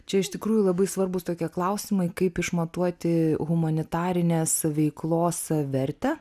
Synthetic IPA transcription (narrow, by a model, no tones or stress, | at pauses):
t͡ʃʲɛɪʃt̪ʲɪkɾuːjʊlˠɐbɐɪsʋɐɾbʊst̪oːkʲiɛklˠɐʊsʲɪmɐɪkɐɪpɪʃmɐt̪uɔt̪ʲɪɣʊmɐnʲɪt̪ɑːɾʲɪnʲeːsʋʲɛɪklˠoːsʋʲɛɾʲt̪ʲɛː